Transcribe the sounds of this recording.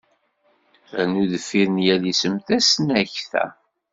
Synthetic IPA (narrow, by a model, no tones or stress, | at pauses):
nuðəfːiɾənjæðisəmθæsnæçθæ̰